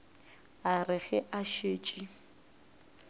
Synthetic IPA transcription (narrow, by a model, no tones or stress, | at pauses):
arɪɣɛʔaʃeːt͡ʃʼi